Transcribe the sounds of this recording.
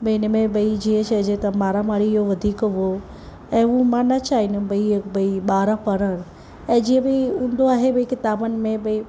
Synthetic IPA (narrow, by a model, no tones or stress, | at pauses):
bəiɪnmẽbəid͡ʑiːɦə̃t͡ɕʰɐd͡ʑet̪ɐmaːɾamaːɽiɪɦoʋɐd̪ʱiːkʋo | ɛ̃ːũmãnɐt͡ʃaːɦinũbəibəiɓaːɾãpəɾəɽ̃ | ɛ̃ːd͡ʒiːɦẽbəiũːnd̪oaːɦebɐikɪt̪aːbənɪ̆mẽbəi